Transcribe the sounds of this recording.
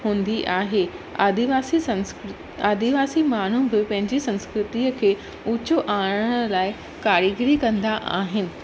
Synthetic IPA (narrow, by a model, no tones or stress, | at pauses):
ɦũːnd̪iʔaːɦea̰d̪iʋaːsi | aːd̪iʋaːsimaːɳ̤ubɪpɐ̃ɦɪ̃ɲd͡ʑisɐ̃nskɾɪt̪iːəkʰeː | ʊt͡ɕoʔaːɽ̃əlaːɪ | kaːɾiɡɪɾikɐ̃nd̪aʔa̰ːɦɪnɪ̆